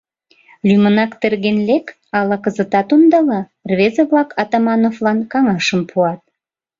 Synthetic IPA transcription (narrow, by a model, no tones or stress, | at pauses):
lʲymənɑkt̪erɣenlek | ɑlɑkəzə̆t̪ɑt̪und̪ɑlɑ | rβezəβlɑkʰɑt̪ɑmɑnoflɑnkɑŋɑʃəmpʰuɑt̪̚